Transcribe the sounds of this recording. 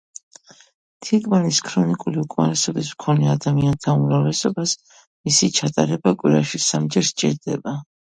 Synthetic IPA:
t̪ʰiɡmaniskʰɾɔnikʼuliukʼma̰ɾɛsɔbismkʰɔnɛad̪amiant̪ʰaumɾavlɛsɔbas | misit͡ʃʰat̪ʼaɾɛbakʼwiɾaʃisamd͡ʒɛɾst͡ʃʼḭɾd̪ɛba

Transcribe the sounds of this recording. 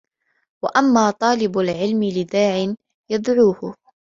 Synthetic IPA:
waʔamːaːt̪ˤɑːlɪbalʕɪlmɪlɪd̪aːʕɪn | jad̪ʕuːhʊ

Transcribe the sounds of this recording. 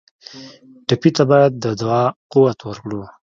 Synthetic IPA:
ʈapit̪abɑjad̪ːəd̪awɑquwat̪wəɾkɽu

